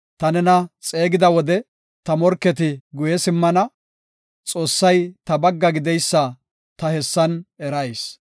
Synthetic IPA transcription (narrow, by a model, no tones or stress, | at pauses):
t̪ɐnɛnɐt͡sʼe̞ːɡɪd̪ɐwɔd̪ɛ | t̪ɐmɔɾkːɛt̪ɪɡʊjɛsɪmːɐnɐ | t͡sʼo̞ːsːɐjt̪ɐbɐɡːɐɡɪd̪ɛjsːɐ | t̪ɐhɛsːɐnɛɾɐjs